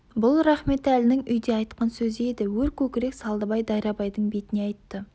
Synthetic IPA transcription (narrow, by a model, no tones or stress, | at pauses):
bʊlˠɾɑχme̞t̪ælɪnɪŋʏjd̪eɑjt̪qɑnsɵzɪe̞d̪ɪwɵɾkʲʰɵkʲɪɾe̞ksɑlˠd̪əbɑjd̪ɑjɾɑbɑjd̪əɴbe̞t̪ɪne̞ɑjt̪ːə